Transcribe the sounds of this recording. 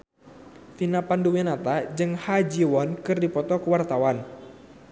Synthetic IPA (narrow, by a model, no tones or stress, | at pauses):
finapanduwinat̪ad͡ʒɨŋhad͡ʒiwɔnkɨrdipɔt̪ɔkəwart̪awan